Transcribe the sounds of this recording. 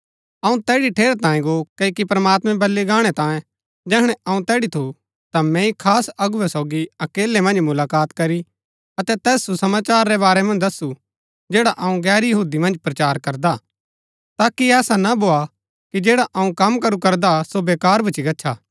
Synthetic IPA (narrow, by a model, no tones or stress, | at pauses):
ɐũt̪ɛːɽiʈʰeːɾt̪ãːĩɡokɐikipɾɐmaːt̪mɛ̃bɐlːiɡaːɽ̃ɛt̪ãːjẽ | d͡ʒɛːɦɽ̃ɛɐũt̪ɛːɽit̪ʰu | t̪amɛ̃ikʰaːsɐɡʊʋɛsɔːɡiɐkeːlːemɐ̃nd͡ʒmʊlaːkaːt̪kɐɾi | ɐt̪ɛt̪ɛːsːusɐmaːt͡ʃaːɾːɛbaːɾɛmɐ̃nd͡ʒd̪ɐsːu | d͡ʒeːɽaʔɐũɡɛːɾjɐɦuːd̪imɐ̃nd͡ʒpɾɐt͡ʃaːɾkɐɾd̪a | t̪aːkiɛːsanabʱoːa | kid͡ʒeːɽaʔɐũkɐmkɐɾukɐɾd̪asobeːkaːɾbɐt͡ʃikɐtːʃʰa̰ː